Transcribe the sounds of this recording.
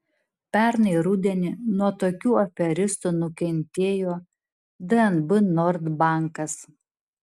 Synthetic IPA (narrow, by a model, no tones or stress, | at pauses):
pʲɛˑɾnɐɪɾʊd̪ʲɛnʲɪnuɔt̪oːkʲuːɔfʲɛɾʲɪst̪unʊkʲɛnʲt̪ʲeːjoː | d̪ɨɛnbɨnɔɾd̪bɑˑŋkɐs